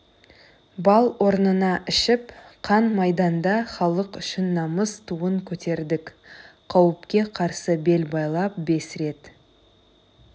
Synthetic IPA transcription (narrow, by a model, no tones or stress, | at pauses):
bɑlˠwʔo̞ɾnənɑʔɪʃɪpqʰɑnmɑjd̪ɑnd̪ɑχɑlˠəqʏʃɪnːɑməst̪ʰuəŋkʲʰɵt̪e̞ɾd̪ɪkʲqʰɑwəpkʲe̞qʰɑɾsəbe̞lbɑjlˠɑp̚be̞sɾe̞t̪